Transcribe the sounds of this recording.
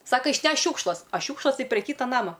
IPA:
ˈsɑːkɐ ɪʃʲˈnʲɛʃk ˈʃʲuːkʃlˠɐs ˈɐ ˈʃʲuːkʃlˠɐs ˈtɐɪ pʲrʲɛ ˈkʲiːtɐ ˈnɑːmɐ

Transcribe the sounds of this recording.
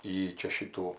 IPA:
ˈjiː ˈt͡ʃʲɛ ˈʃʲiːtuː

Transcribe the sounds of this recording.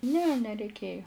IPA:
nʲɛ nʲɛrʲɛɪˈkʲeːjoː

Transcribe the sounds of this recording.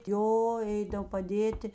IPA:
ˈjoː ˈɛɪdɐw pɐˈdʲeːtʲɪ

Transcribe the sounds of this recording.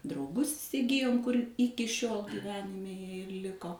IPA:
drɐʊˈɡʊs ɪsʲɪˈɡʲɪjoːm kʊr ˈɪkʲɪ ʃʲoːlˠ ɡʲiːˈʋʲæːnʲɪmʲɛ ˈjiɛ ɪr ˈlʲɪkoː

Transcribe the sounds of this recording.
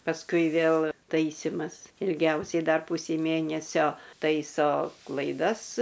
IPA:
pɐsˈkʊɪ ˈʋʲeːlˠ ˈtɐɪsʲɪmɐs ɪlʲˈɡʲɛʊsʲɛɪ dɐr ˈpʊsʲɛɪ ˈmʲeːnʲɛsʲoː ˈtɐɪsoː klˠɐɪˈdɐs

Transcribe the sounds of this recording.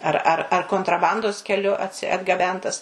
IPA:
ˈɐr ˈɐr ɐr koːntrɐˈbɐndoːs kʲɛˈlʲʊ ɐdɡɐˈbʲɛntɐs

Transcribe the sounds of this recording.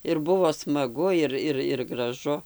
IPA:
ɪr ˈbʊʋoː smɐˈɡʊ ˈɪr ˈɪr ɪr ɡrɐˈʒʊ

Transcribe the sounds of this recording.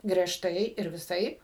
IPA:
ɡrʲiɛʃˈtɐɪ ɪr ʋʲɪˈsɐɪp

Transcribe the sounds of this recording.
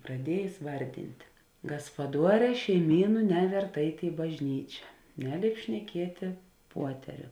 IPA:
prɐˈdʲiɛjeːs ˈʋɐrʲdʲɪnʲtʲɪ ɡɐspɐˈduɔˌrʲɛː ʃʲɛɪˈmʲiːnʊ ˈnʲæːʋʲɛrt ˈɛɪtʲ ɪ bɐʒʲˈnʲiːt͡ʃʲɛ ˈnʲæːˌlʲeːɪp ʃʲnʲɛˈkʲiɛtʲeː ˈpuɔtʲɛrʲʊ

